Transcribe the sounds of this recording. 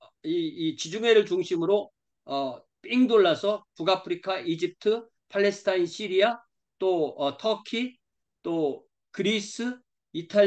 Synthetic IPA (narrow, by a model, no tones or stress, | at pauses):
iːt͡ɕid͡ʑuŋe̞ɾɯɭt͡ɕuŋɕʰimɯɾo | ʌ | p͈iŋdoɭːasʰʌpuɡapʰɯɾikʰaʔid͡ʑip̚tʰɯ | pʰaɭːe̞sʰɯ̥tʰainɕʰiɾia | t͈oʌtʰʌkʰi | t͈o | kɯɾis͈ʰɯ | itʰa